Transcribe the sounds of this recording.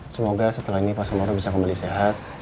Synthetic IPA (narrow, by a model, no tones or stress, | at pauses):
səmoɡasət̪əlaɦinipasamaɾabisakumbaliseɦat̪̚